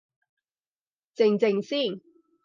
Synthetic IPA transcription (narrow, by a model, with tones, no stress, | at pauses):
t͡sɪ˨˩ŋt͡sɪ˨˩ŋsiː˥˩n